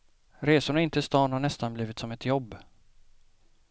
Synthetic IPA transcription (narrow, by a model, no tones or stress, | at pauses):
ɾeːsʊɳaɪnt̪əɪst̪ɑːnhaɳɛst̪anbliːvɪt̪sɔmɛt̪jɔbː